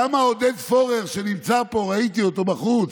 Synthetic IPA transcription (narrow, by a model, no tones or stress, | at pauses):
amaod̪ed̪fo̞ʁeʁʃe̞nimt͡sapo̞ʁait̪io̞t̪o̞baχut͡s